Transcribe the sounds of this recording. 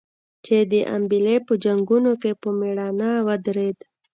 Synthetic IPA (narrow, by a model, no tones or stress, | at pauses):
t͡ʃed̪əʔa̰mbilepəd͡ʒaŋɡunokepəmeɽanawad̪ɾed̪